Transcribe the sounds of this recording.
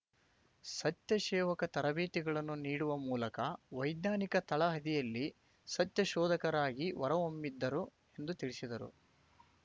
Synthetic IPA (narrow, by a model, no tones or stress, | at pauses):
sɐt̪jɐʃɛːʋɐkɐt̪ɐɾɐbeːt̪iɡɐɭɐnːuniːɽuʋɐmuːlɐkɐʋɐjd̪naːnikɐt̪ɐɭɐɦɐd̪ijɐlːi | sɐt̪jɐʃɔːd̪ɐkɐɾaːɡiʋɐɾɐʋomːid̪ːɐɾu | e̞nd̪ut̪iɭisid̪ɐɾṵ